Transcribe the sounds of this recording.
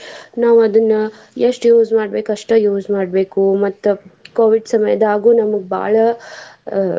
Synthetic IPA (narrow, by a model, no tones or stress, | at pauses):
naːʋɐd̪ɐnːɐ | jeʂʈjuːd͡ʒmaːɖbe̞ːkɐʂʈɐjuːd͡ʒmaːɖbe̞ːkumɐt̪ːukoːʋiɖsɐmɐjɐ̰d̪aːɡuːnɐmɐɡebʱa̰ːɭɐ